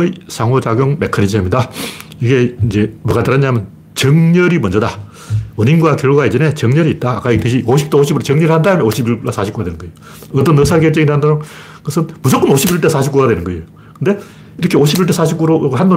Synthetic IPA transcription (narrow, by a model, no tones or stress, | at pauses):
isʰaŋɦod͡ʑaɡjoŋmekʰanis̬ʰiaimɲidaiɡe̞ind͡ʑe̞mʌɡataɾaɲamjʌn | t͡ɕʌŋɲʌɾimʌnd͡ʑʌda | uɲinɡwakjʌɭɡwaid͡ʑʌne̞t͡ɕʌŋɲʌɾiːt̚t͈aːk͈aiteɕʰioɕʰi̥p̚t͈eoɕ̬ʰibuɾot͡ɕʌŋɲʌɾɭhandaamjʌnoɕʰibiɭasʰaɕʰip̚k͈uɡadwenɯnŋɡʌejo | ʌt͈ʌnʌsʰaɡeɭt͡ɕ͈ʌŋiɾɦandaɾo | kʌsʰɯnmud͡ʑok͈ʌnoɕʰibiɭt͈esʰaɕʰip̚k͈uɡadwe̞nɯnɡʌejo | kɯnde̞ | iɾʌkʰe̞oɕʰibiɭt̬͈esʰaɕ̬ʰip̚k͈uɾohando